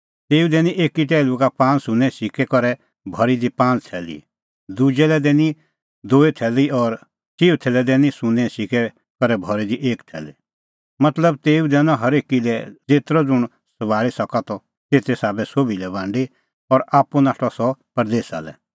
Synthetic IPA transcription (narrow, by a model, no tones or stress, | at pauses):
t̪eːud̪ɛːniʔeːkiʈ̬ɛːlukapãːnsʊ̃nɛ̃sɪkɛkɔɾɛ | bʱɔɾid̪ipãːnt̪ʰɛːlḭ | d̪ud͡ʒɛlɛd̪ɛːni | d̪uːit̪ʰɛːliɔːɾ | t͡ʃiːut̪ʰɛːlɛd̪ɛːnĩsʊ̃nɛ̃sɪkɛ | kɔɾɛbʱɔɾid̪iʔeːkʈ̪ʰɛ̰ːli | mɐt̪ləb̚t̪eːũd̪ɛːnɔ̃ɦɐɾeːkilɛd͡zeːt̪ɾɔd͡zʊɽ̃ | sɐʋaːɭisɐkat̪ɔ | t̪eːt̪esaːbɛsoːbilɛbãːɳɖi | ɔɾaːpunaːʈʰɔsɔpɐɾd̪eːsa̰lɛ̰